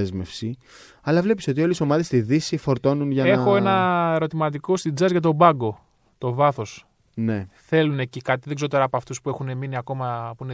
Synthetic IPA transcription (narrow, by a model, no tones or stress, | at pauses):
ezme̞fsi | ɐlɐvle̞piso̞t̪io̞leso̞mɐðest̪iðisifo̞ɾt̪o̞nunʝɐexo̞e̞nɐeɾo̞t̪imɐt̪iko̞st̪id͡zɐzʝɐt̪̬o̞bɐɡo̞ | t̪o̞vɐθo̞s | ne̞θe̞lune̞cikɐt̪̬iðeɡzo̞t̪e̞ɾɐːpoɐft̪uspue̞xune̞miniɐko̞mɐpuine